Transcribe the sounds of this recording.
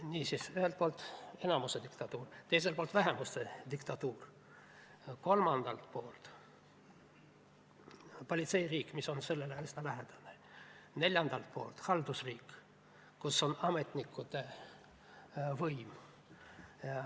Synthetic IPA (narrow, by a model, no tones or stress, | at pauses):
niːsiːsyhelt̪̚po̞ːlt̪ːˑe̞nɑmused̪ikt̪ɑt̪uːrt̪ejs̬e̞ltpolt̪væɦemust̪ed̪̥ikt̪ɑt̪uːr | ko̞lmɑnd̪̥ɑ̰lt̪po̞ːlt̪ | po̞lʲit̪se̞jriːkːˑmiso̞nse̞lːeleesnɑlæɦed̪̥ɑ̥ne | ne̞lʲjɑnd̪ɑlt̪̚po̞̰ːlt̪hɑld̪usriːkː | usːo̞nɑme̞t̪nikːˑut̪e | vɤjm | ɑ